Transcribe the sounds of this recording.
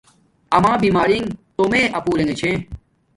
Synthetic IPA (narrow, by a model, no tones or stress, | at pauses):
ɐmãːbiːmaːɾiŋt̪omẽːʔɐpuːɾẽŋɡet͡ɕʰẽ